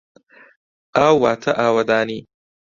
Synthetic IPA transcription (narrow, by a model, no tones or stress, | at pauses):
aːwːaːt̪ʰɐʔaːwɐd̪aːniː